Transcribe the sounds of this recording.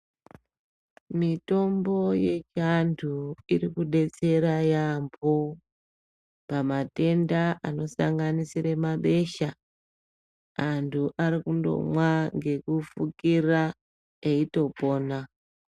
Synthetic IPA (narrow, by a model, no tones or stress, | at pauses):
mito̞mbo̞je̞t͡ʃantʰuiɾikuɗe̞t͡se̞ɾajambo | pamate̞ndaʔano̞sa̰ŋɡanisiɾe̞maɓe̞ʃa | antʰuʔaɾikundo̞̰mwaŋɡe̞kufukira | eito̞po̞ːna